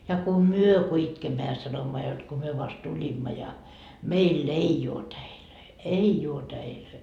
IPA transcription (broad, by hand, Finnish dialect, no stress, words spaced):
jɑ ku myø ku itkemːæ jɑ sɑnomːɑ jot ko myø ʋɑst tulʲimːɑ jɑ meilː ei oː tæiløi ei uo tæiløi